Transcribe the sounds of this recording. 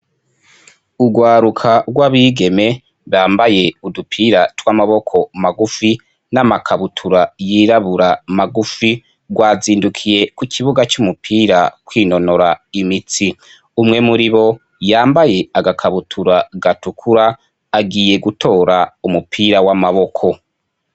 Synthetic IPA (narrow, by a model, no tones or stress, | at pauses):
uɡwaːɾukʰaɡwaβiːɡe̞me̞ | βaːmbaje̞udupʰiːɾatwamaβo̞kʰo̞maɡufi | namakʰaβutʰuɾajiːɾaβuɾamaɡufi | ɡwaːziːndukʰije̞kukʰiβuɡat͡ʃumupʰiːɾakwiːno̞no̞ɾaimit͡si | umŋe̞muɾiβo̞ | jaːmbaje̞aɡakʰaβutʰuɾaɡatukʰuɾaː | ɡiːje̞ɡutʰo̞ːɾaumupʰiɾawamaβo̞kʰo̞